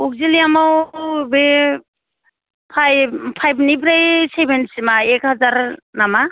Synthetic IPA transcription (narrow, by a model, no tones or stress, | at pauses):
uk̚ziliamawbe | pʰajpʰajbnibɾajsebensimaekhazaɾnama